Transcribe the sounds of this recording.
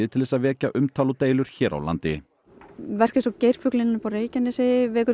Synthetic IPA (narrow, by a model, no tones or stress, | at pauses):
ɪt̪ʰɪlðɛs̬aðvɛːcaʔʏmt̪ʰaːlʊt̪eːjlʏɾ̥çɛːɾa̰wla̰nt̪ɪ | vɛr̥cɪsɔwcejɾ̥fʏklɪnɪnʏpawreːjcanɪsɪvɛːkʏ